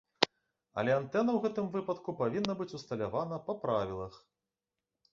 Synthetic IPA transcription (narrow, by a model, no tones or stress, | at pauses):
ɐ̰lʲɛant̪ɛnɐwɣɛt̪ɨmvɨpɐt̪kupavʲinːɐbɨt͡sʲust̪ɐlʲavanɐpɐpɾavʲilˠɐx